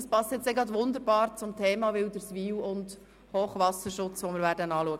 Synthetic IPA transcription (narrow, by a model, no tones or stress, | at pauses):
əspɑstjɛt͡seɡɾɑdʋʊnd̪əɾbɑːɾt͡sʊmtʰɛːmɑʋɪld̪əɾsʋiːwʊnd | hoːχʋɑsəʃʊt͡sʋɔmɪɾvæːɾdənɑːluəɡə